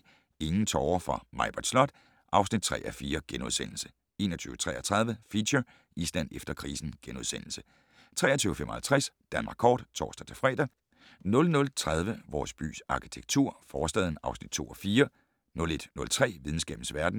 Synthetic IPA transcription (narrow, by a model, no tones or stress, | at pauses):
e̝ŋn̩t͡sʰɒʊɐfʁɑ̈mɑ̈ɪb̥ɒd̥slɒ̽d̥ | ʔɑ̈ʊsnid̥̚t͡sʰʁɛ̰ːʔæfiːɐɡ̥enoð̞ˠsen̰l̩sə̥ | e̝̰ːnɐt͡sʰyːʊə̥t͡sʰʁɛ̰ːɐt͡sʰʁɑ̈ð̞ˠʋəfiɕɐ | isl̥ænefd̥ɐkʰʁḭːsn̩ɡ̥enoð̞ˠsen̰l̩sə̥ | t͡sʰʁɛ̰ːɐt͡sʰyːʊəfemɒ̽hælt͡sʰʁæsd̥ænmɑ̈ːɡkʰɒ̰ːd̥t͡sʰɒ̰ːsd̥æt͡sʰe̝lfʁɛ̰ːd̥æ | nɔ̽lnɔ̽lt͡sʰʁað̞ˠʋəʋɒːsb̥y̰ːsɑ̈kʰi̥t͡sʰeɡ̥̚t͡sʰuɐ̰fɒːsd̥ɛ̰ð̞ˠn̩ɑ̈ʊsnid̥̚t͡sʰo̝̰ːʔɒfiːɐ | nɔ̽le̝d̥nɔ̽lt͡sʰʁɛ̰ːʋið̞ˠn̩sɡ̥ɛ̰ːb̥n̩sʋæɐd̥n̩